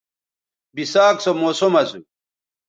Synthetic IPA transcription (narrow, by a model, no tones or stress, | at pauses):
bisaːksomoːsomɐzu